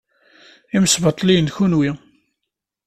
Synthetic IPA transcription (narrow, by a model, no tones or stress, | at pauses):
iməsbət̪ˤlinçunwi